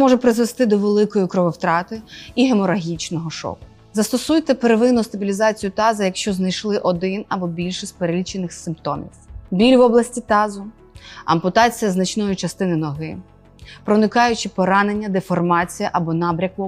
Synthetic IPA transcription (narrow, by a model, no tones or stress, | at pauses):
mɔʒɛpɾɪzʋest̪ɪd̪ɔʋelˠɪkɔjikɾɔʋɔwt̪ɾɑt̪ɪiɦemɔɾɐɦʲit͡ʃnɔɦɔʃɔ̰kʊ̥ | zɐst̪ɔsujt̪ɛpeɾeʋɪnʊst̪ɐbʲilʲizɑt͡sʲijʊt̪ɑzɐjɐkʃt͡ʃɔznɐjʃlˠɪʔɔd̪ɪnɐbɔbʲilʲʃɪsʲpeɾelʲit͡ʃenɪxsɪmpt̪ɔmʲḭsbʲilʲʋɔblˠɐsʲtʲit̪ɑzʊ | ɐ̰mpʊt̪ɑt͡sʲijɐznɐt͡ʃnɔjʊt͡ʃɐst̪ɪnɪnɔɦɪ | pɾɔnɪkɑjʊt͡ʃɪpɔɾɑne̞nʲːɐd̪efɔrmɑt͡sʲijɐʔɐbɔnɑbɾʲɐkʊ